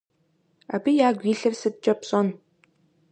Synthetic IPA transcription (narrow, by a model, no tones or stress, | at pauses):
a̰ːbijaːɡʷiːɬɐrsɨt̪̚t͡ʃʼɐpɕʼɔn